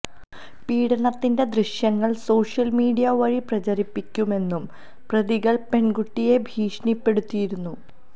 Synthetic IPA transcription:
piːɽɐɳɐt̪ːinde̞d̪riʂjɐŋːɐɭso̞ːʂjɐlmiːɽijɐʋɐɻiprɐt͡ɕɐɾipːikʲːume̞nːum | prɐðiɣɐɭpe̞ɳɡuʈːije̞bʱiːʂnipːe̞ɽut̪ːijiɾunːu

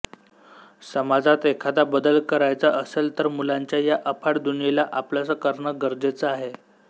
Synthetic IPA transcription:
səmad͡zat̪ekʰad̪abəd̪əlkəɾajt͡saʔəselt̪əɾmulaɲt͡ɕjajaʔəpʰaɽd̪unijelaʔaplasəkəɾɳəɡəɾd͡zet͡səaɦe

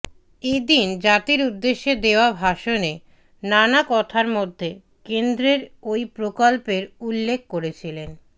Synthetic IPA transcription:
ed̪ind͡ʑat̪iɾud̪ːeʃːed̪eoabʱaʃone | nanakɔt̪ʰaɾmod̪ʱːe | kend̪ɾeɾojpɾokolpeɾulːek̚ʰkoɾet͡ɕʰilen

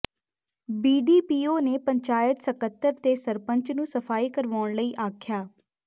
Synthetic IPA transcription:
biːɖiːpiːoːneːpəɲt͡ʃaːjət̪səkət̪ːəɾt̪eːsəɾpəɲt͡ʃnũːsəfʰaːiːkəɾʋaːɳləiːʔaːkʰjaː

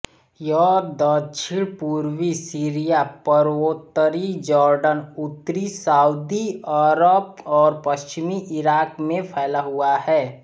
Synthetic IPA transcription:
jɔd̪ət͡ʃʰiɽpuːɾwisiːɾijapəɾoːt̪ːəɾid͡ʒɔːɾɖənʊt̪ːɾisaːud̪iəɾəb̚ɔːɾpəst͡ʃɪmiʔɪɾaːkmẽpʰɛːlaɦuaɦɛː

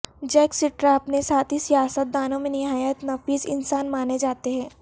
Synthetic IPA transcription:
d͡ʒɛːksɪʈɾaɐpnesaːt̪ʰɦisijaːsət̪̚d̪aːnõmẽnɪɦaːjət̪nɐfiːzɪ̰nsaːnmaːned͡ʒaːt̪eɦɛ̃ː

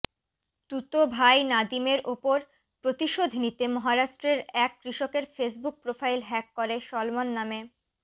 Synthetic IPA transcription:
t̪ut̪obʱajnad̪imeɾʔopoɾ | pɾot̪iʃod̪ʱnit̪emɔɦaɾaʃʈɾeɾɛkːɾiʃokeɾfesbuk̚pɾofajlɦɛkːoɾeʃɔlmonːame

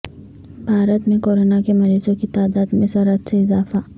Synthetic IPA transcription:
bʱaːɾət̪mẽkoːɾoːnakemɐɾiːzõkit̪aːd̪aːd̪mẽsɐɾət̪seɪzaːfa

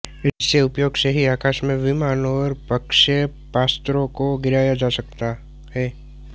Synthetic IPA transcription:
ɪsːeʊpjoːɡseɦiaːkaːʃmẽʋɪmaːnɔːɾpəkʃə | paːst̪ɾõkoɡɪɾaːjad͡ʒaːsɐkt̪a | ɦɛː

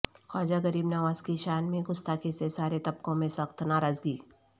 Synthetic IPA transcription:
xɔːd͡ʒaɡɐɾiːbnɐʋaːzkiʃaːnmẽɡʊst̪akesesaːɾet̪ɐb̚kõmẽsɐxt̪naːɾaːzɡiː

